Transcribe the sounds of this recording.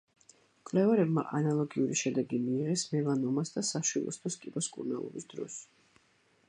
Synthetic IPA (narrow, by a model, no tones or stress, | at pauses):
kʼvlɛvaɾɛbma̰ʔanalˠɔɡiuɾiʃɛd̪ɛɡimiːʁɛsmɛlˠanɔmasd̪asaʃwilˠɔ̰st̪ʰɔskʼibɔskʼṵɾnalˠɔ̰bisd̪ɾɔ̰s